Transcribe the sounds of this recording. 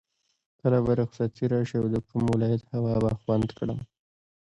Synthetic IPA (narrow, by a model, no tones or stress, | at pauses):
kəlabaɾʊksat̪ʰiɾɑʃiawd̪əkumwɪlɑjat̪hawɑbaxwand̪kɽa̰m